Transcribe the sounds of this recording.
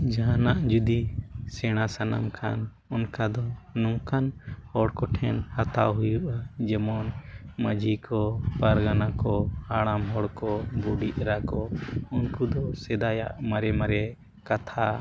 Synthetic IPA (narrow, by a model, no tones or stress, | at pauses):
d͡ʒaɦanaʔd͡ʒud̪isɛɽ̃asana̰mkʰa̰n | ɔnkad̪ɔnɔŋkanhɔɽkɔʈʰɛnhat̪aɦujuʔad͡ʒɛmɔnməd͡ʒʱikɔpaɾɡanakɔhaɽamɦɔɽkɔbuɖiʔ̪̚ɾakɔunkud̪ɔsɛd̪aja̰ʔmaɾɛmaɾɛ | kat̪ʰa